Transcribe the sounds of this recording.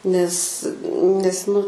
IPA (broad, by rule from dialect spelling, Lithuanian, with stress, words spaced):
nʲɛs ˈnʲɛs nʊ